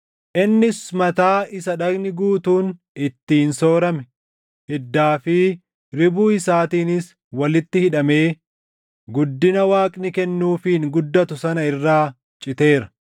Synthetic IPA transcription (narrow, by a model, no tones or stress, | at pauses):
ʔɪnːɪsmɐt̪aːɪsɐᶑɐɡnɪɡuːt̪uːn | ɪt̪ːiːnso̞ːɾɐmɛ | hɪd̪ːaːfɪ | ɾɪbuːɪsaːt̪iːnɪs | wɐlɪt̪ːɪhɪᶑɐmeː | ɡʊd̪ːɪnɐwaːkʼnɪkɛnːuːfiːŋɡʊd̪ːɐt̪ʊsɐnɐɪrːaː | t͡ʃʼɪt̪e̞ːɾɐ̥